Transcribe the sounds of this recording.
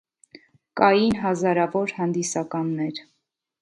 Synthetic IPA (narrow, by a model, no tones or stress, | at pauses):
kɑjinɦɑzɑɾɑvɔɾhɑnd̪isɑkɑnːɛɾ